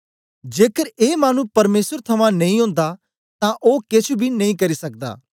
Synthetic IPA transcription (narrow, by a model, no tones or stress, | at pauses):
d͡ʒeːkəɾeːmaːnũpɐɾmeːsəɾt̪ʰɐmãːnɐĩɦõːnd̪a | t̪ãːʔoːkɪt͡ʃʰubʱiːnɐ̃ĩːkɐɾiːsɐk̚d̪a̰ː